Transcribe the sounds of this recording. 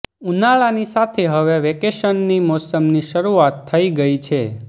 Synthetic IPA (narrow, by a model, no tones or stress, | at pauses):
unaɭanisat̪ʰeɦəʋeʋekeʃənːimɔsəmniʃəɾuat̪ʰːəiɡəit͡ʃʰe